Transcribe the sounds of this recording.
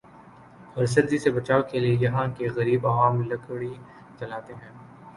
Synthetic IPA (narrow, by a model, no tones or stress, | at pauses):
ɔɾs̬ɐɾzisebɐt͡ʃaːokeliejɐɦãkeɣɐɾiːbaaːmlɐkɽi | t͡ʃɐlaːt̪eɦɛ̃ː